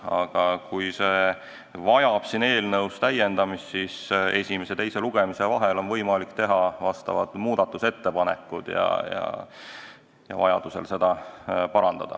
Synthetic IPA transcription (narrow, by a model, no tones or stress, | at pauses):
ɑ̰ɡ̥ɑkujseː | vɑjɑb̥sine̞ːlnɤwst̪æje̞nd̪̥ɑmist̪sise̞sʲime̞se̞t̪e̞jse̞luɡ̥e̞misevɑɦe̞lo̞nvɤjmɑlikːt̪e̞ɦɑvɑst̪ɑ̰vɑ̰d̪̥muːd̪̥ɑt̪ːˑuset̪ːe̞pɑne̞̰kːˑud̪̥jɑ̰jɑ̰ | jɑ̰vɑ̰jɑ̰d̪̥use̞̰lse̞d̪̥ɑpɑɾɑnd̪̥ɑd̪̥ɑ̰